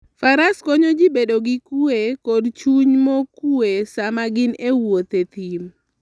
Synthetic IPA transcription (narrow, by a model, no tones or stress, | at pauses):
faɾaskɔɲod͡ʒibedoɡɪkuekɔdt͡ʃuɲmokuesamaɡɪnewot̪et̪im